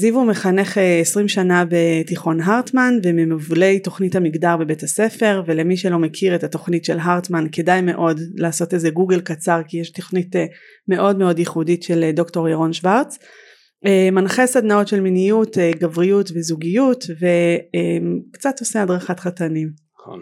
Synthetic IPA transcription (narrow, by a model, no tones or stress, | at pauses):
zivume̞χane̞χeesʁimʃanabe̞tiχo̞nɦaʁtmanvememuvle̞jto̞χnithamiɡdaʁbe̞be̞tase̞fe̞ʁve̞le̞miʃelo̞me̞kʰiʁetato̞χnitʃe̞lɦaʁtmanke̞dajme̞ʔo̞dlaːso̞tezeɡuɡelkat͡saʁkijeʃtoχnit | me̞ʔo̞dme̞o̞djiχuditʃeldo̞kto̞ʁjeʁo̞nʃvaʁt͡s | emanχesadnao̞tʃe̞lminijuteɡavʁijutvezuɡijutve̞emkt͡sato̞seadʁaχatχatanim̰